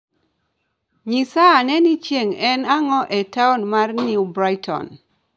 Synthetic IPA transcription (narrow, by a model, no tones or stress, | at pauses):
ɲisaːnɛnit͡ʃeŋɛnaŋɔʔɛtaɔnmarnjubɾajtʰɔ̰n